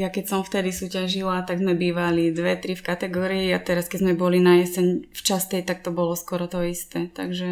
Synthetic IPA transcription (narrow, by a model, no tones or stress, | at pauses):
jakɛcsɔmft̪ɛd̪isuːcaʒilat̪aɡzmɛbiːʋalid̪ʋɛt̪ɾifkat̪ɛɡɔːɾiːat̪ɛɾaskɛzmɛbɔlinajɛsɛɲft͡ʃast̪ɛjt̪ak̚t̪ɔbɔlɔskwɔɾɔt̪ɔist̪ɛːt̪a̰ɡʒɛ